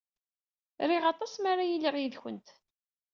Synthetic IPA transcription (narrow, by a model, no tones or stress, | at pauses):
ɾiʁɑt̪ˤɑsmaɾajiliʁjiðçənt̪